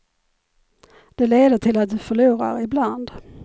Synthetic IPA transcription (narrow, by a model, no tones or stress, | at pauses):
d̪̥ɛleːd̪əʈʰɪlat̪̚d̪ɵfœɭuːɾa̰ɾɪbland̪